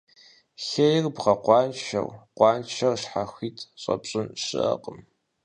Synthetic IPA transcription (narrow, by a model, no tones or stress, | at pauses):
xejɪrbʁɐqʷɑːnʃɐ̰rqʷɑːnʃɐrʂħaxʷiːtʰɕʼɐ̰pɕʼɨnʂɨ̰ʔɐ̰qʼəm